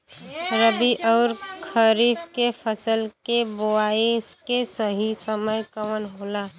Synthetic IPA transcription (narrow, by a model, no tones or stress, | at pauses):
ɾəbiʔɔːɾkʰəɾiːbkepʰəsəlkeboaːikesəɦisəməjkəwənɦoːlaː